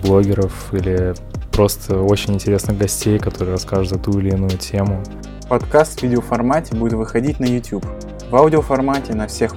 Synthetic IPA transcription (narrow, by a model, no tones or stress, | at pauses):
blˠo̞ɡʲɪɾəf | ilʲɪ | pɾo̞st̪ʰəot͡ɕɪnʲɪnʲtʲɪɾʲe̞snɨɣɡɐsʲtʲejkɐt̪o̞ɾɨəɾɐskaʐɨt̪zɐt̪uɪlʲɪːnujʊtʲʰemʊ | pɐt̪kast̪vʲidʲɪofɐrmatʲɪbudʲɪt̪vɨxɐdʲitʲnəjʊtʲjup | vawdʲɪofɐrmatʲɪnɐfsʲe̞x